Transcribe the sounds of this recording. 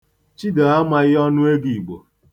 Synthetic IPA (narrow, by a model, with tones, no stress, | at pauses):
t͡ʃi˦da˨a˦ma˦ɣɪ˦ɔ˦nʊ˦e˦ɡi˨ɡ͡bo̰˨